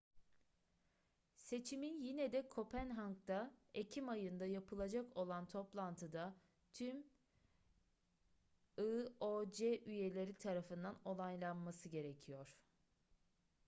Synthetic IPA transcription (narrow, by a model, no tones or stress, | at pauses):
se̞t͡ʃʰiminjinɛd̪ɛkʰo̞pʰænɦaŋk̚t̪aecʰimajɯnd̪ajapʰɯlˠad͡ʒako̞lˠant̪ʰo̞plˠant̪ʰɯd̪a | t̪ʰym | ɯod͡ʒeʔyje̞lʲe̞ɾit̪ʰaɾafɯnd̪ano̞lˠajlˠanmasɯɟe̞ɾecʰijo̞ɾ̥